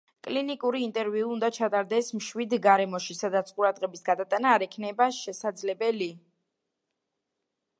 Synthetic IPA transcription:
kʼlinikʼuɾiːnt̪ʼɛɾviuund̪at͡ʃʰat̪ʼaɾd̪ɛsmʃwid̪ɡaɾɛmɔʃisad̪at̪sʰqʼuɾad̪ʁɛbisɡad̪at̪ʼanaːɾɛkʰnɛbaʃɛsad̪zlɛbɛli

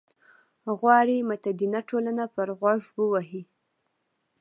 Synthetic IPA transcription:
ɣwɑɽimat̪ad̪inaʈolanapəɾɣwɑʒwəwaɦi

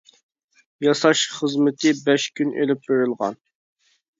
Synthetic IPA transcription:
jɑsɑʃχəzmɪt̪ʰɪbɛʃkʲʰynʔḛlɪp̚beɾylˠʁɑ̰n

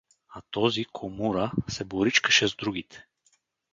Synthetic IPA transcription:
at̪ɔzikʰomuɾəsɛboɾit͡ʃkə̥ʃɛzd̪ɾuɡit̪ʰɛ̥

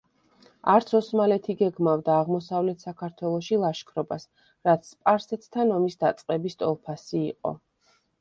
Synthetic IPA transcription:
aɾt̪sʰɔsmalɛt̪ʰiɡɛɡmavd̪aːʁmɔsavlɛt̪ʰsakʰaɾt̪ʰwɛlˠɔʃilˠaʃkʰɾɔbas | ɾat̪sʰpʼaɾsɛt̪ʰt̪ʰanɔmisd̪at̪sʼqʼɛbist̪ʼɔ̰lˠpʰasiːqʼɔ̰

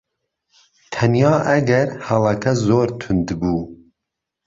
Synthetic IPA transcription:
t̪ʰɐnjɑːʔɐɡɛɾhɐlˠɐkʰɐzoːɾt̪ʰʊnd̪buː

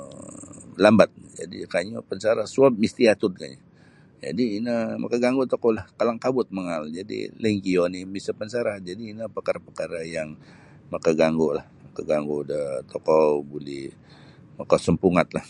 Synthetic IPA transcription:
lambat̪̚d͡ʒa̰dḭkaɲopənsaɾahsuap̚mist̪iat̪ʊd̪ka̰ɲa | d͡ʒa̰diːnəma̰kaɡaŋɡot̪ɔkɔlahkalaŋkabʊt̪̚məŋald͡ʒadḭləŋkionibisapənsaɾahd͡ʒadiːnəpəkaɾapəkaɾajaŋ | makaɡaŋɡolahmakaɡaŋɡodət̪ɔkɔbulɪh | makasəmpuŋat̪̚lah

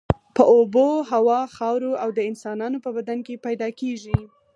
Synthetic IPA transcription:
pəʔoboɦawɑxɑwɾoawd̪əɪnsɑnɑnopəbad̪ankepajd̪ɑkeʒi

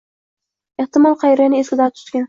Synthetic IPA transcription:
eht̪ɪmɒlˠqʰɑjɾanɪeskʲɪd̪ɑt̪ʰʊ̥t̪kʲan

